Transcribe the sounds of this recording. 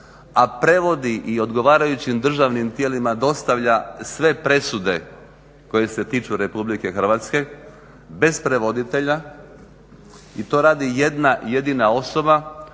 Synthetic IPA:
apɾe̞ʋo̞d̪iʔio̞d̪ɡo̞ʋaːɾajut͡ɕimd̪r̩ʒaʋnimt̪jeːlimad̪o̞st̪aʋʎasʋe̞pɾe̞sud̪e̞ | ko̞je̞se̞t̪iːt͡ʃuɾe̞publike̞xr̩ʋaːt̪ske̞ | be̞spɾe̞ʋo̞d̪it̪e̞ʎa | it̪o̞ːɾaːd̪ije̞d̪naje̞d̪inao̞so̞ba

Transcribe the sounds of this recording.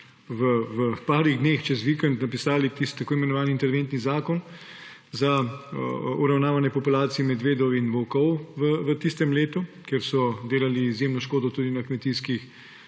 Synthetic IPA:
ʋəʋəpaːɾiɣd̪neːxt͡ʃɛzʋikɛnt̪napisaːlit̪ist̪ːakoːimɛnɔʋaːniint̪ɛɾʋent̪nizaːkɔn | za | ṵɾawnaːʋanjɛpɔpulaːt̪sijimɛd̪ʋeːd̪ɔwinʋɔkɔwʋəʋət̪ist̪ɛmleːt̪ukjɛɾsɔd̪eːlaliːzjeːmnɔʃkoːd̪ɔt̪uːd̪inakmɛt̪iskix

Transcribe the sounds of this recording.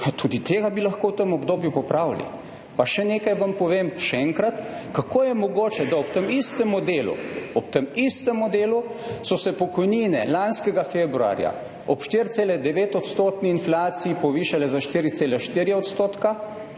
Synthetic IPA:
t̪ʰuːd̪it̪eːɡabilɐxkoːwt̪əmɔbd̪oːbjupɔpɾaːwlḭ | paʃɛneːkajʋampɔʋeːmʃɛɛŋkɾat̪kakʰoːjɛmɔɡoːt͡ʃɛd̪aɔpt̪əmist̪əmɔd̪eːlṵɔp̚t̪əmist̪əmɔd̪eːlusɔsɛpɔkɔjniːnɛ̰lanskɛɡafeːbɾua̰ːɾja̰ | ɔpʃt̪iːɾt̪seːlɛd̪ɛʋeːt̪ɔt̪st̪oːt̪niːnflaːt̪siipɔʋiːʃalɛzaʃt̪iːɾit̪seːlɛʃt̪iːɾjɛɔt̪st̪oːt̪ka

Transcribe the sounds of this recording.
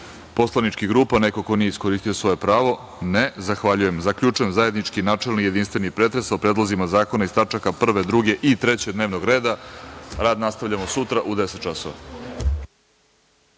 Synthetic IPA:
po̞slˠanit͡ʃkiɡɾuːpane̞ko̞ko̞nijeisko̞ɾiːst̪ijosʋo̞je̞pɾaːʋo̞ | nezaxʋaʎuje̞mzakʎut͡ʃujemzaje̞d̪nit͡ʃkinaːt͡ʂe̞lnije̞d̪inst̪ʋenipɾeːt̪ɾe̞saopɾed̪lˠozimazaːko̞naist̪at͡ʂakapr̩ʋe̞d̪ɾuɡe̞ʔit̪ɾe̞t͡ɕed̪neːʋnoɡɾe̞ːd̪aɾaːd̪nast̪avʎʲamo̞sut̪ɾaʔud̪eset̪̚t͡ʃasoʋa̰

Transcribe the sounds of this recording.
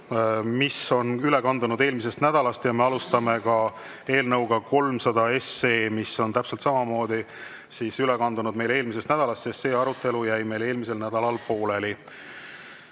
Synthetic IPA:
miso̞nylekɑnd̪unud̪e̞ːlmis̬e̞st̪næd̪̥ɑlɑst̪jɑme̞ɑlust̪ɑme̞kɑ | e̞ːlnɤwɡ̥ɑko̞lmsɑd̪̥ɑe̞se̞ːmiso̞nt̪æpse̞lt̪sɑmɑmo̞ːd̪̥i | sisylɛkɑnd̪unud̪̚me̞jle̞ːlmisest̪næd̪̥ɑlɑst̪sese̞ːɑɾut̪ːˑe̞lujæjme̞jle̞ːlmise̞lnæd̪̥ɑlɑlpo̞ːle̞li

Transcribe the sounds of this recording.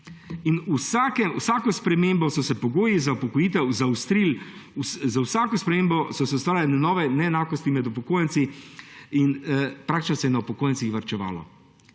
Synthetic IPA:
inusaːkɛwsaːkɔspɾɛmeːmbɔsɔsɛpɔɡoːjizaupɔkɔjiːt̪̬ɛwzawst̪ɾiluszawsaːkɔspɾɛmeːmbɔsɔsɛust̪ʋaːɾjalnɛnɔːʋɛnɛːnaːkɔst̪imɛd̪upɔkoːjɛnt̪si | inpɾakt̪it͡ʃnɔsɛjɛnaupɔkoːjɛnsixʋɐɾt͡ʃɛʋa̰ːlɔ̰

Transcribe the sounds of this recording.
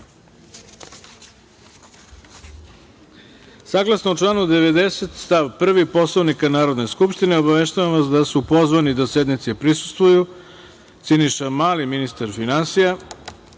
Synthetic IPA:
saːɡlˠasnout͡ʃlˠaːnud̪e̞ʋe̞d̪e̞set̪st̪aʋpr̩ʋipo̞slˠoʋnikanaːɾod̪ne̞skupʃt̪ineo̞baʋe̞ʃt̪aʋamʋasd̪asupo̞zʋanid̪ase̞d̪nit̪sepɾisu̥st̪ʋuju | t̪siniʃamaːliminist̪aɾfinansija

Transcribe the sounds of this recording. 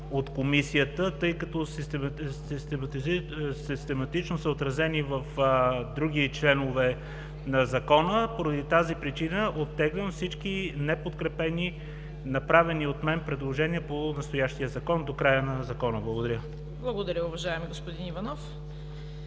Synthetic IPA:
ot̪komisijət̪ət̪ɤjkɐt̪ɔs | ist̪ɛmsist̪ɛmɐt̪it͡ʃnosəot̪ɾɐzɛnivəfd̪ɾuɡ̟it͡ʃlɛnovɛ | nɐzɐkɔnəpoɾɐd̪it̪azipɾit͡ʃinəʔot̪ːɛɡlʲəmfsit͡ʃk̟inɛpot̪kɾɛpɛni | nɐpɾavɛniot̪mɛnpɾɛd̪lˠoʒɛniəponɐst̪ojaʃt̪iəzɐkɔnd̪okɾajənɐzɐkɔnəblˠɐɡod̪ɐɾʲə | blˠɐɡod̪ɐɾʲəʊvɐʒaɛmiɡospʊd̪inivɐnɔf

